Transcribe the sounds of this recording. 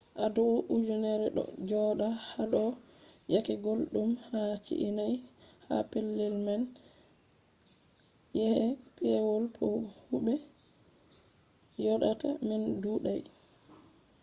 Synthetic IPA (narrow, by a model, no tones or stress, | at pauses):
ʔadɔʔud͡ʒunɛɾɛɗɔ̰d͡ʒɔɗahaɗɔ | jakɛɡolɗumhat͡ʃḭʔinajha̰pelːɛlman | jɛhɛpʰɛwɔlpʰɔhubɛ | jɔɗatamɛnduːɗaj